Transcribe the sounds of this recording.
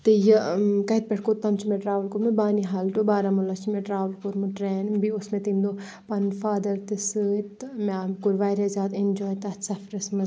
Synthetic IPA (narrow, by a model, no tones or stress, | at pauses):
t̪ejɐkɐit̪̚pɛʈʰkot̪ɐmt͡ʃʰimeʈɾaːʋəlkuɾmebaːniɦaːlʈobaːɾamulɐt͡ʃʰimẽʈɾaːʋəlkuɾmɨʈɾeːnbiʊsmẽt̪iːmd̪o | pɐnfaːd̪ɐɾt̪ɨsɨt̪makuɾʋaːjɾezʲaːt̪end͡ʒoːjt̪ɐsɐfɾɐsmɐ